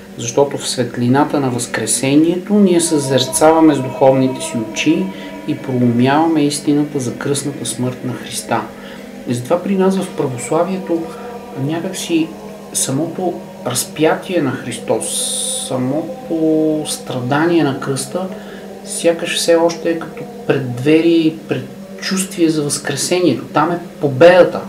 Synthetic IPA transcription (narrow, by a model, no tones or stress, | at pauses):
zɐʃt̪ɔt̪ofsvɛt̪lʲinat̪ənɐvɐskɾɛsɛniɛt̪oniɛsəzɛɾt̪savɐmɛzd̪uxɔvnit̪ɛsiot͡ʃiː | pɾolˠomjavɐmɛist̪inət̪əzɐkɾɤsnət̪əsmɤɾt̪nɐxɾist̪a | izt̪vapɾinasvɐfpɾɐvoslˠaviɛt̪o | nʲakəksi | sɐmɔt̪o | ɾɐspjat̪ʲʰiɛnɐxɾist̪ɔsːɐmɔt̪ʰost̪ɾɐd̪aniɛnɐkɾɤst̪ə | sʲjakəʃfsɛɔʃt̪ɛkɐt̪ɔpɾɛd̪ːvɛɾipɾɛt̪ | t͡ʃust̪viɛzɐvɐskɾɛsɛniɛt̪ot̪amɛpobɛd̪ət̪ə